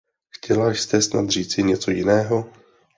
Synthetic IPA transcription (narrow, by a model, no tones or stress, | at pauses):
xcʰɛlaʃst̪ɛsnat̪r̝iːt͡sɪɲɛt͡so̞jɪnɛːɦo̞